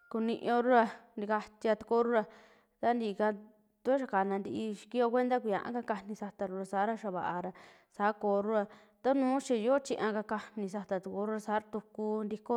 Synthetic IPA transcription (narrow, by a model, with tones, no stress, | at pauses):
ku˧nḭ̃˧ʔõ˧ɾu˦ɾa˧nd̪i˧ka˧t̪i˧a˧t̪u̥˧ko˦ɾu˦ɾa˧ | t̪a˦nd̪i˧ka˧ | t̪u˧˦ʃ̬a˧ka˨nã˧nd̪i˧ʔi˧ʃi̥˧ki˦o˧kʷe˦nd̪a˦kʷi˧˨ã̰˨˧ʔã̰˦ka˦˧ka˧nĩ˧sa˧t̪a˧ɾu˧ɾa˧sa˨˦ɾa˧ʃa˧βa˨ʔa˧ɾa˧ | saː˨˦koː˨˦ɾu˦ɾa˧ | t̪a˦nũː˦ʃi˧jo˦t͡ʃi˧ʔã˧ka˧ka˧nĩ˧s̬a˧t̪a˧t̪u˧ko˧˦ɾu˦ɾa˧sa˨˦ɾa˧t̪u˧ku˧nd̪i˧ko˦